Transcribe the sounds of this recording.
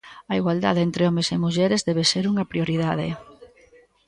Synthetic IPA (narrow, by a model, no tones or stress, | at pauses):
ɐiɣwald̪a̰ðeent̪ɾeɔmesemuʎɛɾezðɛβeseɾuŋɐpɾioɾiðaðɪ̰